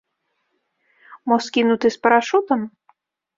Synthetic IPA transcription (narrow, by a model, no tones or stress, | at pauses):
mɔskʲinut̪ɨspɐɾaʃut̪ɐm